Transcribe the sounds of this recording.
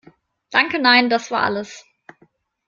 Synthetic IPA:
d̥aŋkənaɪndasv̥aːɐʔa̰ləs

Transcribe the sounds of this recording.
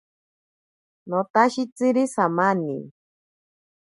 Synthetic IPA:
nõt̪aʃit͡sɨɾisamanḭ

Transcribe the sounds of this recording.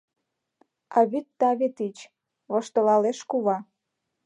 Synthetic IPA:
ɑβyt̪ːɑβet̪it͡ɕ | βŏʃt̪ɤ̆lɑleʃkuβɑ

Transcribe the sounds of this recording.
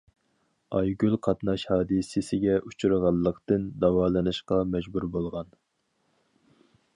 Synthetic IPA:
ɑjɡʲylˠqʰɑt̪nɑʃhɑːd̪ɨsɪsɪɡʲɛʔut͡ʃʰuɾəʁɑlˠːəqt̪ɨnd̪ɑwɑːlˠɨnɨʃqɑmɛd͡ʒbuɾbolˠʁɑn

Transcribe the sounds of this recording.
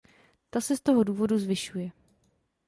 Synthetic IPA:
t̪asɛst̪o̞ɦo̞duːvo̞duzvɪʃujɛ

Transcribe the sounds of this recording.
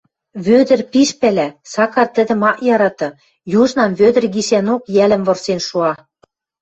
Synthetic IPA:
βød̪ɘ̆rpiʃpælæsɑkɑrt̪ə̆d̪ə̆mɑʔjɑɾɑt̪ɤ̆ | juʒnɑmβød̪ɘ̆rɡiʃænokjælə̆mvɤ̆rsenʃuɑ

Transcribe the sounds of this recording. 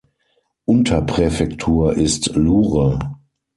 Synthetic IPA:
ʔʊntʰɐpʁ̥ɛfɛktʰuːɐʔɪstluːʁə

